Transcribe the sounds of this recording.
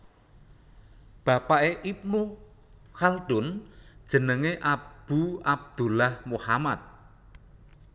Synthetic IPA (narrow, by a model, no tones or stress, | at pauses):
b̥a̤paʔeʔip̚nu | xald̪̥ʊ̤nd̥ʒ̥ə̤nəŋeʔab̥uab̚d̪̥ulahmuhamat̪̚